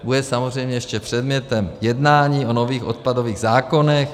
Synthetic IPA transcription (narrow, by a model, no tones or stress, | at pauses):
budɛsamozr̝ɛjmɲɛjɛʃcɛpr̝̥ɛd̪mɲɛt̪ɛmjɛdnaːɲiːʔo̞no̞viːxʔo̞̰t̪̚pado̞viːɣzaːko̞nɛx